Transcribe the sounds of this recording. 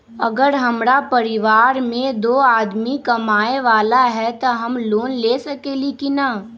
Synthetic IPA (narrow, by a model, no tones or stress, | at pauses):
ɐ̰ɡəɾɦɐmɾapɐɾɪʋaːɾmẽd̪oːaːd̪mikɐmaːeʋaːlaɦɛt̪oɦɐmloːnleːsɐkelikina